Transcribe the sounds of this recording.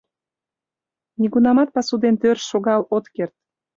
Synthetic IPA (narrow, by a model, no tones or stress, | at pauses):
niɣunɑmɑt̪̚pɑsud̪ent̪ørʃoɣɑlot̪kert̪̚